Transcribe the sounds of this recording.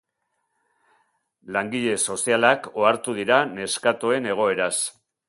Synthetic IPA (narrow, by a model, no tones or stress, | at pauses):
laŋɡiʎe̞so̞sialakoaɾt̪uðiɾane̞skat̪oe̞ne̞ɣ̞o̞e̞ɾas